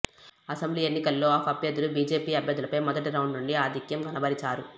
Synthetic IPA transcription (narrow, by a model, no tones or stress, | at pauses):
ɐsɐmbliːenːikɐlːo̞ːaːkɐbjɐd̪ulubiːd͡ʒe̞ːpiːɐbʱjɐd̪ːulɐpɐjmɐd̪ɐʈ̪iɾɐwɳɖnuɳɖiaːd̪ʱikjɐmɡʱɐnɐbɐɾit͡ʃaːɾu